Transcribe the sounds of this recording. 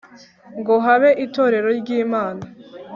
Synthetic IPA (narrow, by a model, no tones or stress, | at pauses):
ŋɡo̞ɦaβe̞ʔito̞ɾe̞ɾo̞ɾɟiːmaːna